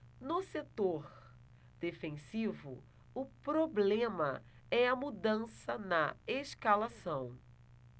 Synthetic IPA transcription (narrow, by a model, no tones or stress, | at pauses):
nʊset̪oɾ | d̪̥efẽsivʊ̰ | ʊpɾoblẽmɐ | ɛɐmud̪ɐ̃sɐnɐeʃkalasɐ̃w̃